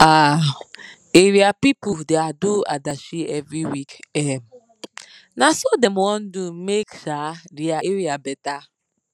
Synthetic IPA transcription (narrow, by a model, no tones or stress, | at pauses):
a | eɾiapipʊdeadua̰daʃiɛvɾiwikɛm̩ | nasodemɔn̩dumekʃaɾiaeɾiabɛta